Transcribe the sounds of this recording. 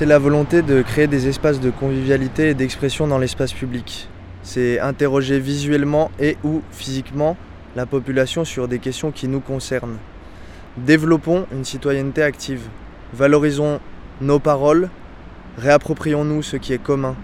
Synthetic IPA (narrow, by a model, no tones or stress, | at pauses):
sɛlavɔlɔ̃t̪ed̪əkχeːd̪ezɛspas̬d̪əkɔ̃vivjalit̪eːd̪ɛkspχesjɔ̃d̪ɑ̃lɛspaspyblik | sɛɛ̃t̪eʁɔʒevizɥɛlmɑ̃eʔufizikmɑ̃ | lapɔpylasjɔ̃syʁd̪ekʲɛst̪jɔ̃kʲinukɔ̃sɛʁn | d̪evlɔpɔ̃ynsit̪wajɛnt̪eakt̪ʰiv | valɔʁizɔ̃ | nopaʁɔl | ʁeapχɔpχijɔ̃nusəkʲiɛkɔmɛ̃